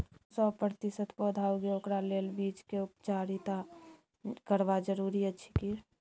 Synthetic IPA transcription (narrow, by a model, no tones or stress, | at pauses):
sɔpɾət̪isət̪pod̪ʱauɡeokɾaleːlbiːt͡ʃkeupt͡ʃaɾit̪a | kəɾbad͡ʒəɾuɾiət͡ʃʰi̥ki